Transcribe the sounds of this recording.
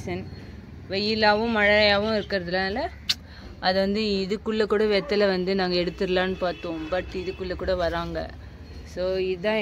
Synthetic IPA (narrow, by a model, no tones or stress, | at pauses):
sɐn | ʋɛjːɪlaːʋʊ̃mɐɻɐɐjaːʋʊ̃ɪɾɯkːɪɾɐðɯlːãːɪlːɐ | ʔɐðɯʋɐnd̪ɯɪðɯkːʊɭːɐkuːɽɐʋɛt̪ːɐlɐʋɐnd̪ɯnãːŋɡɐɛɽɯt̪ːɯɾɯlaːnɯpaːɾt̪õːbɐʈːɪðɯkːɯɭːɐkuːɽɐʋɐɾaːŋɡɐ̰ | soːɪðãː